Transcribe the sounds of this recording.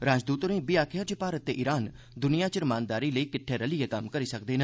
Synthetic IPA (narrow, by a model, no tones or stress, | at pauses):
ɾaːd͡ʒd̪uːt̪onẽːbijaːkʰɪjaːt͡ʃəpaːɾət̪ːeːʔɪɾaːn | d̪ʊnɪjãːt͡ʃəɾmaːnd̪aːɾiːləiːkɪʈʰːeːɾəliekəmkəɾiːsək̚d̪eːnə